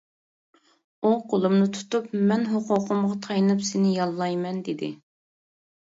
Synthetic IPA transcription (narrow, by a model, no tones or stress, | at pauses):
uqʰolˠumnɨt̪ʰu̥t̪upmɛnɦoqʰʊqʰʊmʁɑt̪ʰɑjnɨpsɪnɪjɑlˠːɑjmɛnd̪ɪd̪ɪ̰